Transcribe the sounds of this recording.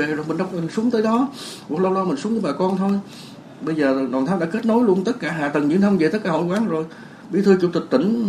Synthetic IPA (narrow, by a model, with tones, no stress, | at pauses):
e˨˩zo˨˩jmï˨˩ŋ̟ɗa˧wŋ͡mə˨˩su˨˦əŋt̪əː˨˦jɗɔ˨˦kwt̚lə˧wlɔ˧mï˨˩ŋ̟su˨˦əŋəː˨˧˦ɓaː˨˩kɔ˧nt̪ʰo˧j | ɓə˧jzəː˨˩˨ɗwaː˨˩nt̪ʰa˨˦ɗa̰ː˧˥ke˦˥t̚no˨˦jlu˧ənt̪ə˦˥t̚kaː˧˩ɦa̰ː˧˨˩t̪ə˨˩ŋɲɨ̰˧˥nt̪ʰə˧ŋ͡mve˨˩t̪ə˦˥kaː˧˩ho̰˧˩˦jkwaː˨˦ŋzo˨˩j | ɓi˧˦t̪ʰɨ˧t͡ɕṵ˧˥t̪i̟˨˩t̪i˧˩ŋ̟